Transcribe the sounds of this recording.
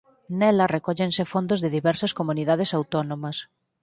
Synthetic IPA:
nɛlɐrekɔʎensefond̪ozðɪðiβɛɾsɐskomuniðað̞esawt̪onõmɐs

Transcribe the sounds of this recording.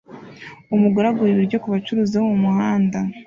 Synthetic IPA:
umuɡaɾaɡuɾiβiɾɟo̞kuβat͡ʃuɾuːziβomumuhaːnda

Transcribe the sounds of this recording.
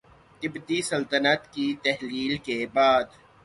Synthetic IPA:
kɪbd̪isɐlt̪ənət̪kit̪ɛɦliːlkebaːd̪

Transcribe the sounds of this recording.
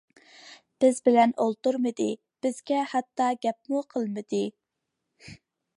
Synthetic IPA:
b̥ɪzbɪlɛnolˠt̪uɾmɨd̪ɨ | b̥ɪzɡʲɛhɑt̪ːɑɡʲɛp̚muqʰəlˠmɨd̪ɨ

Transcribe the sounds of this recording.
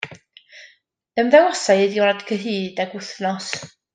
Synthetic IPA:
əmðɛwɔsajɨðiwɾadkʰəɦiːdaɡʊθnɔs

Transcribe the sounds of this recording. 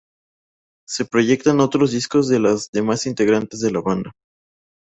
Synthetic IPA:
se̞pɾo̞ʝe̞k̚t̪ano̞t̪ɾozðisko̞zðe̞lazðe̞masint̪e̞ɣɾant̪e̞zðe̞laβand̪a

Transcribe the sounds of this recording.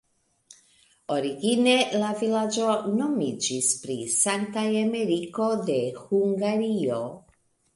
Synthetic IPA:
o̞ɾiɡine̞lavilad͡ʒo̞no̞mid͡ʒispɾḭsaŋtajameɾiko̞de̞huŋɡaɾio̞

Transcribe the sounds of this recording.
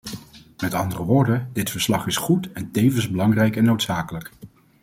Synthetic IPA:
mɛtɑ̰ndərəʋʊːɹdəndɪtfəɹslɑχɪsχutɛntejvənzbəlɑŋrɛjkɛnːowtsaːkələk

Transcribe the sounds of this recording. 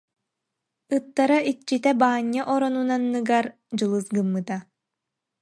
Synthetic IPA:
ɯt̪ːaɾaʔit͡ɕːit̪ɛbaːɲːaʔɔɾɔnunanːɯɡaɾ | d͡ʑɯlˠɯsɡɯmːɯt̪a

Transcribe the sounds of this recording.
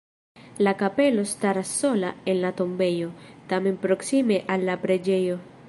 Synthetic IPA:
lakape̞lo̞staɾasːo̞lae̞nlato̞mbe̞jo̞tame̞npɾo̞ksime̞ʔalːapɾe̞d͡ʒe̞jo̞

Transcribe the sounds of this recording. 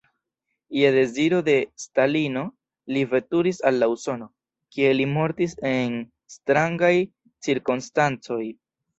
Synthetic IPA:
jede̞ziɾo̞de̞stalino̞ | livetuɾisalːauso̞no̞ | kie̞limo̞ɾtise̞n | stɾaŋɡaj | t͡siɾkonstant͡so̞j

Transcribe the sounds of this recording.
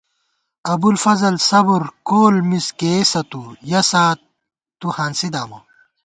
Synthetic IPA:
ɐbulfɐzɐlsɐbuɾkoːlmiskesɐt̪ujɐsaːt̪ː | uhaːnsid̪aːmɐ̰

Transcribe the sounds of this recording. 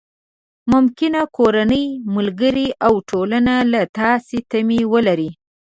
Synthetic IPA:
mʊmkɪnakoɾanəjmʊlɡəɾiʔawʈʰolanalat̪ɑset̪amiwəlaɾi

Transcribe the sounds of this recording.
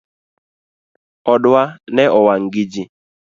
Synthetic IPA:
ɔɖʊanɛʔɔwaŋ̩ɡid͡ʒi

